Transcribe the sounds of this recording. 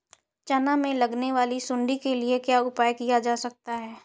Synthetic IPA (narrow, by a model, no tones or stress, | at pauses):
t͡ʃɐnamẽlɐɡneʋaːlisʊ̃ɳɖikeliekjaːʊpaːjkijad͡ʒaːsɐk̚t̪aɦɛː